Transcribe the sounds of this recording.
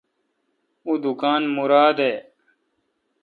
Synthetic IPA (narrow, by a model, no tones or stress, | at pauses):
ud̪ukaːnmuɾaːd̪eː